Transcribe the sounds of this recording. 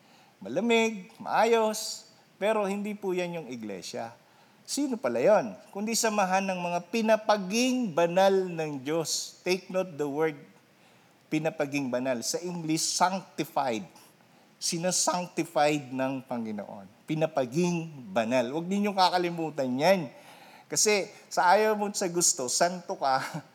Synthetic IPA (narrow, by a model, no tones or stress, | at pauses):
mɐlɐmɪɡ̚mɐ̰ʔaːjo̞s | pɛːɾo̞hɪnd̪ipujanjʊŋɪɡlɛ̰ʃɐ̰ | siːno̞pɐlajonkʊnd̪isɐmɐɦanːɐŋmɐŋapɪnɐpɐɡɪŋbɐnalnɐŋd͡ʒo̞st̪ɛjk̚not̪̚d̪ɐwɛɹd̪̚ | pɪnɐpɐɡɪŋbɐnalsɐʔɪŋɡlɪsːaŋk̚t̪ɪfajd̪̚ | sɪnasaŋk̚t̪ɪfajd̪̚nɐŋpɐŋːɪno̰ʔo̰npɪnɐpɐɡɪŋbɐnalwɐɡ̚nɪɲjoŋkakɐlɪmuːt̪ɐnjan | kɐsɛsɐʔaːjɐwmonsɐɡʊst̪o̞sant̪okɐ